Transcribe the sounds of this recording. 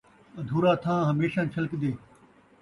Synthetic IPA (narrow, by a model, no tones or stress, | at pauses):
ɐd̪ʱuːɾaːt̪ʰãːɦɐmeːʃãːnt͡ʃʰɐlkd̪eː